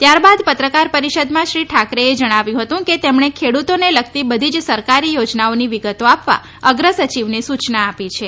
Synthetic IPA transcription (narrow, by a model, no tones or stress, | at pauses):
t̪jaɾbad̪pət̪ɾəkaɾpəɾiʃəd̪mãʃɾiʈʰakɾeed͡ʒəɽ̃aʋjũɦət̪ũket̪emɳekʰeɽut̪onelək̚ʰt̪ibəd̪ʱid͡ʒsəɾkaɾijod͡ʒnaoniʋiɡət̪oapʋa̰ | əɡɾəsət͡ʃiʋnesut͡ʃnaːpit͡ʃʰe